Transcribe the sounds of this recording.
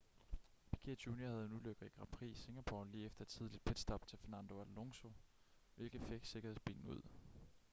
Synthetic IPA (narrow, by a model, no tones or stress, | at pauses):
pʰi̥kʰeɐdʰuːniɐhæðˠe̝nuløɡ̥ð̩ˠiɡ̥ʁɑ̈pʰʁḭːse̝ŋæpʰo̰liːefd̥ɐd̥t͡sʰiðˠlid̥̚pʰed̥sd̥ɒ̽b̥t͡sʰe̝lfeɐnænd̥o̝æloŋso̝ | ʋe̝lɡ̥ð̩ˠfeɡ̥se̝ɡ̥ɐhe̝sb̥ḭːnn̩uð̰ˠ